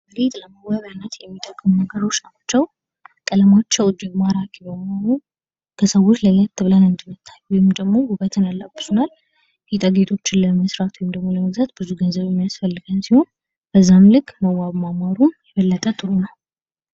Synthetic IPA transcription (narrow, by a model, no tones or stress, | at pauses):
bəɾet̪ʼləməwaβjanːət̪jɛmːit̪ʼəkʼːɨmunəɡəɾo̞t͡ʃːat͡ʃːɛw | kʼələmat͡ʃːəwd͡ʒɪɡmaɾakibəmhonu | kʰəsəwo̞t͡ʃːləjːat̪ʰːɨβlanɨnd̪ɨmːɨt̪ʰːajːuwɔjɪmd̪əɡmo̞huβət̪ʰɨnalːabːɨ̥sunal | hit̪ʼəɡet̪ʼʰo̞t͡ʃːɪnləməsɾat̪ʰwɔjɪmd̪əɡmo̞ləməɡzat̪bɨzuɡənzəβjɛmːijasfəlːɨɡənsiho̞n | b̥əzːamlɨkʼːməwaβmamaɾumjɛβəlːət̪ʼət̪ʰɨɾunəw